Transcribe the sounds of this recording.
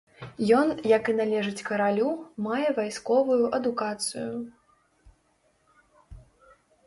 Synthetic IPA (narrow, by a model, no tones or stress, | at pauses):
jɔnjɐkɨnalʲɛʐɨt͡sʲkɐɾalʲumajɛvajskɔvujuʔɐd̪ukat̪sɨ̰ju